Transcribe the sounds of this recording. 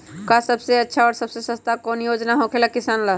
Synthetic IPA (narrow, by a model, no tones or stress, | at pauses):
kasəbseətːʃʰaɔːɾsəbsesə̃st̪akɔnjod͡ʒnaɦõkʰelakisanla